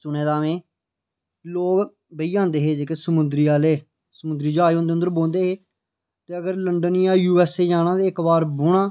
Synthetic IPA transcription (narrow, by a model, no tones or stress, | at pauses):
sʊnẽːd̪aːʋẽː | loːk | bəiːãːnd̪eːɦeːd͡ʒeːkeːsəmʊnd̪ɾiːaːleː | səmʊd̪ɾiːd͡ʒoaːiõːnd̪eːənd̪əɾbõːnd̪eːɦeː | t̪eːəɡəɾləɳɖənijaːjuːɛːseːd͡ʒaːñãːd̪eːɪkbaːɾbʊɽãː